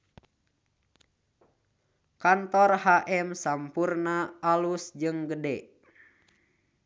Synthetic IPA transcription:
kant̪ɔrhaʔɛmsampurnaalusd͡ʒɨŋɡədɛ

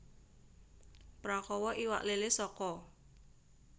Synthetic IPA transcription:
pɾakɔwɔʔiwa̰ʔlelesɔkɔ

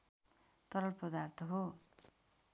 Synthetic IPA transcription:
t̪ʌɾʌlpʌd̪art̪ʰʌɦo

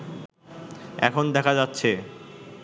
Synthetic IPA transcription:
ɛ̰kʰond̪ɛkʰad͡ʑatːɕʰe

